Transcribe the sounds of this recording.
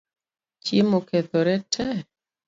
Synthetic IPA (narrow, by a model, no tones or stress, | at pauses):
t͡ʃjemoket̪ɔɾɛtʰɛ